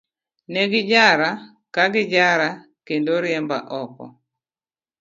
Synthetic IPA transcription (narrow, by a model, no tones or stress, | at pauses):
nɛɡɪd͡ʒaɾa | kaɡɪd͡ʒaɾa | kendoɾɪɛmbaʔɔkɔ̰